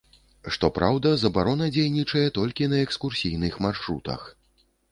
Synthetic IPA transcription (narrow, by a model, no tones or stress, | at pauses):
ʂt̪ɔpɾawd̪ɐzɐbaɾɔnɐd͡zʲejnʲit͡ʂɐjɛt̪ɔlʲkʲinɐɛkskursʲijn̪ɨxmarʂɾṵt̪ɐ̰x